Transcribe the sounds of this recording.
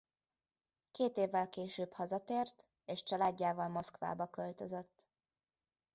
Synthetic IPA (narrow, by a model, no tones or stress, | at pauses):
keːt̪eːvːɛlkeːʃøːphɒzɒt̪eːrt̪ | eːʃt͡ʃɒlaːɟːaːvɒlmo̞skʋa̰ːbɒkølt̪ø̞zøt̪ː